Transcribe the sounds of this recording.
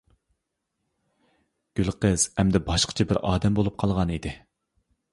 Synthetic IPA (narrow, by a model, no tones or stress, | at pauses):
ɡ̥ʲylˠqəz̥ɛmd̪ɛbɑʃqʰə̥t͡ʃʰɛbɪɾɑːd̪ɛmbolˠup̚qʰɑlˠʁɑnid̪ɪ